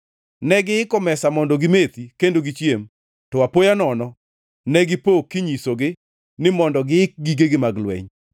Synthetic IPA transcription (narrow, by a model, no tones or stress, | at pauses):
nɛɡɪɪkɔmɛsamɔndɔɡɪmet̪ikendoɡɪt͡ʃjem | tɔwapojanɔnɔ | nɛɡɪpokːɪɲisoɡɪ | nɪmɔndɔɡɪɪk̚ɡiɡeɡɪmaɡlwɛ̰ɲ